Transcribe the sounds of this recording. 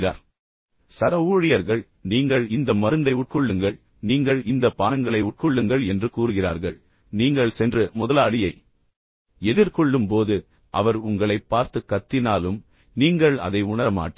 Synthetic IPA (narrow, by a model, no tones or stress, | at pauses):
ɾa̰ːɾ | sɐɾɐuːɻɪjɐɾɣɐɭ | niːŋɡɐɭɪnd̪ɐmɐɾɯnd̪ɐɪʊʈ̚kɔɭːɯŋɡɐɭ | niːŋɡɐɭɪnd̪ɐpːaːnɐŋɡɐɭɐɪʊʈ̚kɔɭːɯŋɡɐɭɛndrɯkuːɾɯɣɪraːɾɣɐɭ | niːŋɡɐɭsɛndrɯmʊðɐlaːɽɪjɐɪ | ɛðɪɾkɔɭːɯmpoːðɯ | ʔɐ̰ʋɐɾʊŋɡɐɭɐɪpːaːɾt̪ɯkːɐt̪ːɪnaːlɯm | niːŋɡɐɭɐ̰ðɐɪʊɳɐɾɐma̰ːʈː